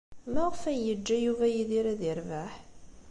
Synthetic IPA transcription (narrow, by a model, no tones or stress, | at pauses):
məʁfæjəd͡ʒːæjuvæjiðiɾæðiɾvaħ